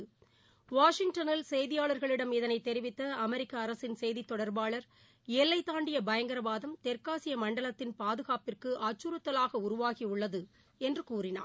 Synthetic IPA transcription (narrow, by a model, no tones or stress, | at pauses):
ʋaːʂɪŋɡʈɐnɪlsɛjðɪjaːɭɐɾɣɐɭɪɽɐmɪðɐnɐɪt̪ːɛɾɪʋɪt̪ːɐɐmɛɾɪkːɐːɾɐsɪnsɛjðit̪ːɔɽɐɾbaːɭɐɾ | ɛlːɐɪt̪ːaːɳɖɪjɐbɐjɐŋɡɐɾɐbaːðɐmt̪ɛɾkaːsɪjɐmɐɳɖɐɭɐt̪ːɪnpaːðɯɣaːpɪrkɯʔaːt͡ʃːuɾɯt̪ːɐlaːɣɐʊɾʊʋaːɣiʊɭːɐðɯ | ɛndrɯkuːrɪna̰ː